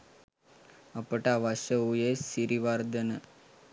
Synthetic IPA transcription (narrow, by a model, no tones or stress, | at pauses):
əpəʈaʋaʃəujesiɾiʋaɾd̪ənə